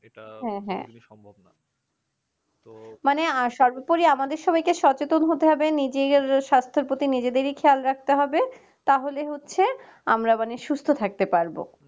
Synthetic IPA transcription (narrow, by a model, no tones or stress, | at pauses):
ɦɛ̃ɦɛ̰̃ | maneaʃɔɾbopoɾiamad̪eɾʃɔbajkeʃɔt͡ɕet̪onɦot̪eɦɔbenid͡ʑeɾʃast̪ʰoɾpot̪inid͡ʑed̪eɾikʰealɾak̚ʰt̪eɦɔbe | t̪aɦoleɦotːɕʰe | amɾamaneʃust̪ʰot̪ʰak̚t̪epaɾbo̰